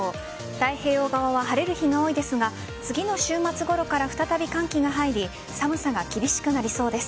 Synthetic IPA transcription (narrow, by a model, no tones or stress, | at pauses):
d̪̥aihe̞ːo̞ːɡaβaβaɦaɾe̞ɾɯ̟çiŋao̞ːid̪e̞sɨɡa | t͡sɨɡʲino̞ɕɨːmat͡sɨɡo̞ɾo̞kaɾaɸɯ̟̥t̪at̪abʲikãŋkʲiŋaɦaiɾʲi | samɯ̟saɡakʲibʲiɕi̥kɯ̟naɾʲiso̞ːd̪e̞sɨ̥